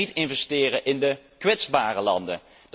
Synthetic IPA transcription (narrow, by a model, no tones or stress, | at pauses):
itɪnvɛstɪːrəʔɪndəkʋɛtzbaːrəlɑ̰ndə̰ | d